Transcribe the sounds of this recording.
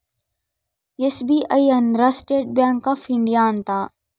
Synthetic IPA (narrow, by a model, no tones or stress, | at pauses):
jesbiʔɐjɐnd̪ɾasʈeːʈ̚bjãːŋkːafɪ̃ɳɖijaːnt̪ʰaː